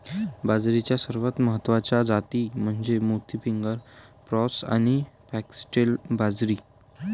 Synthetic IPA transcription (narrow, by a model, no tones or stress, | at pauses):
bad͡zɾit͡ɕjasəɾʋət̪məɦət̪ːʋat͡ɕjad͡zat̪iːm̤əɳd͡zemut̪ifiŋɡəɾpɾɔsa̰ñipɛksʈelbad͡zɾiː